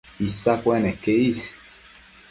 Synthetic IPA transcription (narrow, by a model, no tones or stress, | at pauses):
isakʷenekeis